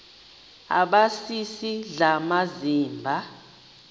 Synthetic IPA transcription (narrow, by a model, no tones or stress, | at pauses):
a̰ɓasisiɮamaziːmbʱa